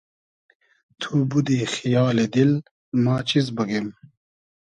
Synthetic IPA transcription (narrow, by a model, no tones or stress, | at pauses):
t̪ʰubud̪iːxijaːled̪il | maːt͡ɕizbɐɡem